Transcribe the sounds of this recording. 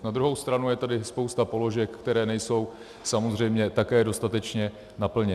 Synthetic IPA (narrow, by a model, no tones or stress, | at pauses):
nad̪ɾuɦo̞wst̪ɾanujɛt̪adɪspo̞wst̪apo̞lo̞ʒɛkːkt̪ɛɾɛːnɛjso̞w | samo̞zr̝ɛjmɲɛt̪akɛːdo̞st̪at̪ɛt͡ʃɲɛ | napl̩ɲɛ